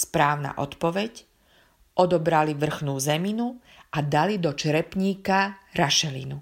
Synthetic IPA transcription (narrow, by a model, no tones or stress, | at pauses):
spɾaːʊna̰ːʔɔ̰t̪pɔʋɛc | ʔɔd̪ɔbɾaliʋr̩xnuːzɛminu | ʔad̪alid̪ɔt͡ʃɾɛpɲiːkaɾaʃɛlḭnu